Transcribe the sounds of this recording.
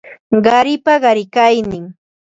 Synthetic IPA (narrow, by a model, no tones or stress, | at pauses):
ɢɑɾɪpaɢɑɾɪkajnɪŋ